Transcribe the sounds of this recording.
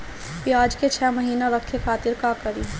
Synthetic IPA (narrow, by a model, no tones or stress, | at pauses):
piaːd͡ʒket͡ʃʰɛːmɐɦiːnaɾɐkʰːekʰaːt̪ɪɾkaːkɐɾiː